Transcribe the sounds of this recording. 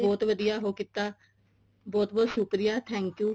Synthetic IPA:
bɔːt̪ʋəd̪ijaːɦoːkit̪ːaː | bɔːt̪bɔːt̪ʃʊkɾɪjaːt̪ʰɛ̃ːŋkjuː

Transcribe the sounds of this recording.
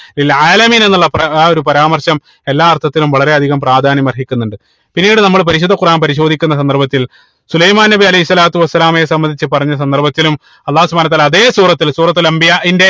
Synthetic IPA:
ilaːlɐmiːne̞nːuɭːɐpɐo̞ɾupɐɾaːmɐrɕɐm | e̞lːaːɐrt̪ʰːɐt̪ːilumʋɐɭɐɾe̞ɐd̪ʱiɣɐmpraːd̪ʱaːnjɐmɐrɦikʲːunːuɳɖɨ | pinːiːɽɨnɐmːɐɭp̬ɐɾiɕ̬ud̪ʱːɐkuraːnpɐɾiɕo̞ːd̪ʱikʲːunːɐs̬ɐnd̪ɐrbɐt̪ːil | sulɐjmaːnnɐbiɐlɐɦisːɐlaːt̪uʋɐsːɐlaːmesɐmbɐnd̪it͡ɕːɨpɐrɐɲːɐs̬ɐnd̪ɐrbɐt̪ːilum | ɐlːaːhsubaːnɐt̪ːaːlaɐðe̞ːsuːrɐt̪ːilsuːrɐt̪ːilɐmbijaːʔinde̞

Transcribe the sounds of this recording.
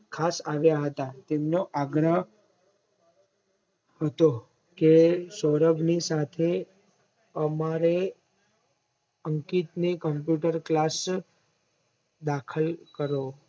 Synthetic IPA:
kʰasaʋjaɦət̪at̪emnoʔaɡɾəɦ | ɦət̪o | kesɔɾəbnisat̪ʰe | əmaɾe | əŋkit̪nekəmpjuʈəɾklas | d̪akʰəlkəɾo

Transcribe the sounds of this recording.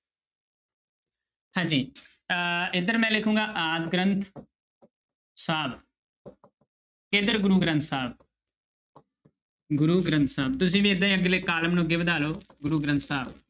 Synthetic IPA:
hãːd͡ʒiː | ɪd̪əɾmɛ̃ːlɪkʰũːŋɡaːʔaːd̪ɡɾənt̪ʰ | saːb | keːd̪əɾɡʊɾuːɡɾə̃nt̪saːb̚ | ɡʊɾuːɡɾə̃nt̪saːb̚t̪ʊsĩːʋĩːɪd̪ãːĩːəɡleːkaːləmnũːɡɪʋd̪aːloːɡʊɾuːɡɾə̃nt̪saːb

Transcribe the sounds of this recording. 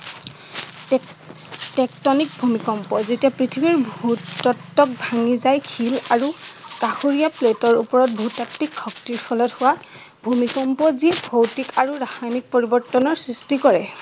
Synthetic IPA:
tɛk̚tɔnik̚bʱumikɔmpɔzetiapɹitʰibiɹbʱutɔtːɔk̚bʱaŋizajkʰilaɹukaxuɹijapletɔɹupɔɹɔt̚bʱutak̚tikʰxɔktiɹpʰɔlɔthʊwa | bʱumikɔmpɔzibʱowtikaɹuɹaxajnik̚poɹibɔɹtɔnɔɹsɹistikɔɹɛ

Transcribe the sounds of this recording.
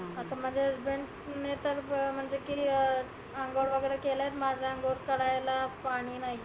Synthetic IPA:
at̪am̤əɳd͡zʱesbeɳʈ | net̪əɾm̤əɳd͡zekiː | əŋɡoɽʋəɡəjɾəkelajet̪mad͡zʱaəŋɡoɾkəɽajlapaɽ̃iːnaɦi

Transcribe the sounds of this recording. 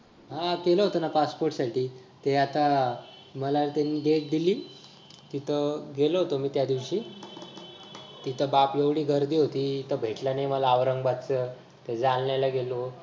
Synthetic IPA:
ɦãkeləɦot̪ənapaspoɾʈsaʈʰiː | t̪eat̪a | məlat̪anid̪ek̚d̪iliː | t̪it̪ʰəɡeləɦot̪omiːt̪jad̪iʋɕiː | t̪it̪ʰəbapjeʋɽiːɡəɾd̪iːɦot̪iːt̪ʰəbʱeʈlanajməlaːʋɾəŋɡbat͡s̪t͡sə | t̪ed͡zalnjalaɡelo

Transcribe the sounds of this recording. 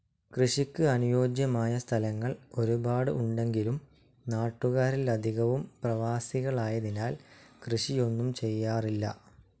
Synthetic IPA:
krɨɕikʲːɨɐnujo̞ːd͡ʑjɐmaːjɐst̪ʰɐlɐŋːɐɭo̞ɾubaːɽɨ̰ʔuɳɖe̞ŋɡilum | naːʈːuɣaːɾilɐd̪ʱiɣɐʋumprɐʋaːsiɣɐɭaːjɐðinaːlkrɨʂijo̞nːumt͡ɕe̞jːaːrilːɐ̰

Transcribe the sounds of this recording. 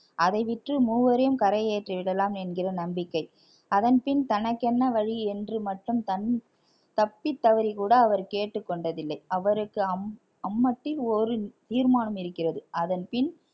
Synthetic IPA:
ʔɐðɐɪʋɪʈrɯmuːʋɐɾɐjɯmkɐɾɐɪeːʈriʋɪɽɐlaːmɛnɡɪrɐnɐmbɪkːɐɪ | ɐðɐnpɪnt̪ɐnɐkːɛnːɐʋɐɻiɛndrɯmɐʈrɯmt̪ɐn | t̪ɐpːɪt̪ːɐʋɐɾikuːɽɐːʋɐɾkeːʈːɯkːɔɳɖɐðɪlːɐɪɐʋɐɾɯkːɯɐm | ɐmːɐʈːɪlɔɾɯt̪iːɾmaːnɐmɪɾɯkːɪrɐðɯɐðɐnpɪn

